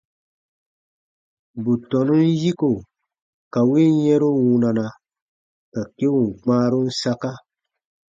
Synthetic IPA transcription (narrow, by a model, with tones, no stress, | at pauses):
bu˨tɔ˨nu˦n˦ji˦ko˨ | ka˨we˦jɛ̃˦ɾu˦wũ˧na˨na˨ | ka˨ke˦wu˨ŋ˨k͡pãː˦ɾu˦n̩˦sa˦ka˦